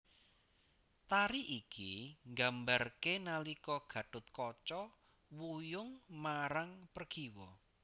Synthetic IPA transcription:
t̪aɾiʔikiŋɡambarkenalikɔɡ̥ä̤ɖ̥ʊt̪̚kɔt͡ʃɔ | wujʊŋmaɾaŋpərɡ̥iwɔ

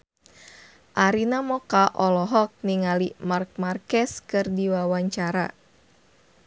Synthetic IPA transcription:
ʔaɾinamɔkaʔɔlɔɦɔk̚niŋalimark̚markɛskɨrdiwawaɲt͡ʃaɾa̰

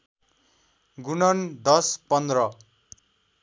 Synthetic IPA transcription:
ɡunʌnd̪ʌspʌnd̪rʌ

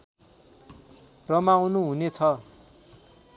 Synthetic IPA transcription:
rʌmawnuɦunet͡sʰʌ

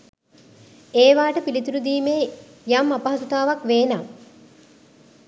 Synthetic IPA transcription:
eːʋaːʈəpilit̪uɾud̪iːmeː | jamapaɦɐsut̪aːʋakʋeːnaː

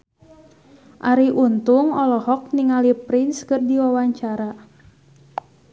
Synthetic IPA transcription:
ʔaɾiʔunt̪uŋɔlɔhɔk̚niŋalipɾɪnskɨrdiwawaɲt͡ʃaɾa

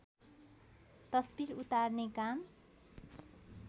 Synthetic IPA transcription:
t̪ʌsbiɾut̪arnekam

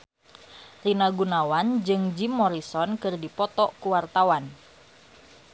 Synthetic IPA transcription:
rinaɡunawand͡ʒɨŋd͡ʒimːɔɾisɔnkɨrdipɔt̪ɔkuwart̪awan

